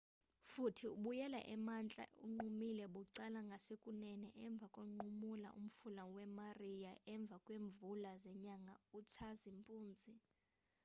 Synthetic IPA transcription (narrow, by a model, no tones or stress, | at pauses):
futʰiuɓujɛla̰ʔɛmant͡ɬʼa̰ʔṵŋ͡ǃumilɛɓuǀalaŋɡʱasekʼunɛnɛʔɛɱb̪vʱakʼoŋ͡ǃumula̰ʔṵm̩fulawɛmarijaʔɛɱb̪vʱakʼweːɱbvulazɛɲaŋɡʱautʰazimpʼuːnd͡zʱi